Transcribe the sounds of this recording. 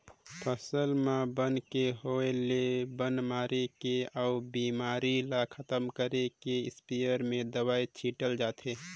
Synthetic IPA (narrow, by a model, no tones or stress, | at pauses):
pʰəsəlmãbənkeɦoelebənmaːɾekeaubimaːɾilakʰət̪əmkəɾekeɪspijəɾmẽd̪əwaːit͡ʃʰiːʈəld͡ʒaːt̪ʰɦe